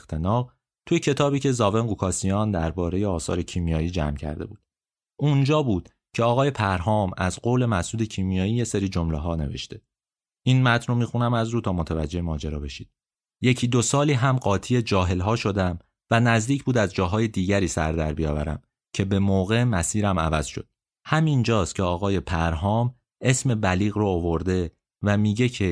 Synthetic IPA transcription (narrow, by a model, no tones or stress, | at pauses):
t̪ʰenɒː | t̪ʰujecʰe̞t̪ʰɒːbiːcʰe̞zɒːve̞nɡukʰɒːsijɒːnd̪æɾbɒːɾe̞je̞ɒːsɒ̰ːɾe̞cʰimijɒːjiːd͡ʒæ̰mcʰæ̰ɾd̪e̞buːd̪̚ | und͡ʒɒːbuːd̪̥ | cʰeɒːɣɒːjepʰæɾɦɒːmæ̰zɢoːle̞mæsuːd̪e̞cʰimijɒːjiːje̞seɾiːd͡ʒomleɦɒːne̞̰vḛʃt̪e̞ | iːnmæt̪ʰnromixunæmæzɾuːt̪ʰɒːmo̞t̪ʰævæd͡ʒːe̞hemɒːd͡ʒeɾɒːbe̞ʃiːd̪̥ | je̞cʰiːd̪o̞sɒːliːɦæmɢɒːt̪ʰiːe̞d͡ʒɒːɦe̞lɦɒːʃo̞d̪æm | vænæzd̪iːcʰbuːd̪æzd͡ʒɒːɦɒːje̞d̪iːɟæɾiːsæ̰ɾd̪æ̰ɾbijɒ̰ːvæ̰ɾæ̰m | cʰe̞be̞moːɣe̞mæsiːɾæmæ̰væz̥ʃo̞̰d̪̥̚ | hæmind͡ʒɒːst̪cʰeɒːɣɒːjepʰæɾɦɒːm | e̞sme̞bæliːɣroːvoɾd̪e̞ | væmiːɟe̞cʰe̞